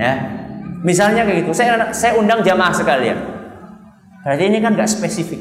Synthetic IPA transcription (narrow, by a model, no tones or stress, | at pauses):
ja | mis̬alɲakaɡit̪usajaasajaundaŋd͡ʒamahsəkalia̰n | b̥ɾat̪iːnikanŋɡaʔspesifik